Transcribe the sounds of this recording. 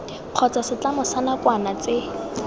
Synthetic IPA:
q͡χʰɔt͡sasɪt͡ɬamʊsanakwanat͡sɪ

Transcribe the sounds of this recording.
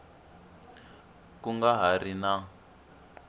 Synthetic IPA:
kuŋɡaɦarina

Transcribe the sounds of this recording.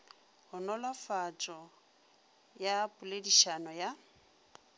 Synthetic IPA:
hʊnɔlafat͡ʃʼɔ | japʼʊlediʃanɔja

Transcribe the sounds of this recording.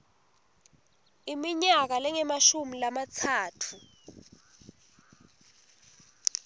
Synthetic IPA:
imiɲak̬alɛŋɛmaʃumilamat͡sʰaːtʰu

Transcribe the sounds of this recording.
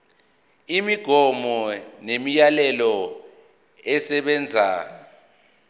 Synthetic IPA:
imiɡ̥ʱɔmɔnemijalɛlɔ | ɛsɛɓɛːnd͡zʱa̰

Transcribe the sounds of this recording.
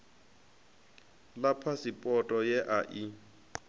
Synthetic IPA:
lapʰasɪpʼɔtʼɔjɛʔaʔi

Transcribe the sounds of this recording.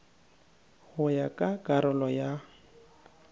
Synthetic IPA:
hʊjakʼakʼaɾʊlɔja

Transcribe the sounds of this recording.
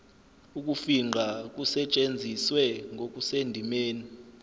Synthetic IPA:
uk̬ʼufiŋ͡ǃʱak̬ʼusɛt͡ʃʼend͡zʱiswɛŋok̬ʼusendʱimeːni

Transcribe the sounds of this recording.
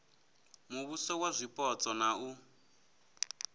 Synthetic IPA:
muβusɔwazʷipʼɔt͡sʼɔnau

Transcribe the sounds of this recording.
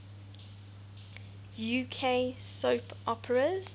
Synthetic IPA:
juːkʰeɪsoʊpʰʔɔpʰəɹəz̥

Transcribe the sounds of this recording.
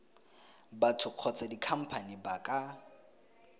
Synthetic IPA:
batʰʊq͡χʰɔt͡sʰʼadikʰam̩pʰanibakʼa

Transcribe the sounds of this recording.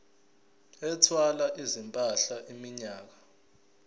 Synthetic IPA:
ɛtʰwalaʔizimpʼaɬaʔimiɲaːk̬a

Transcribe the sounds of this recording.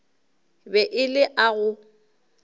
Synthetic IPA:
bɛʔɪlɪʔaɣʊ

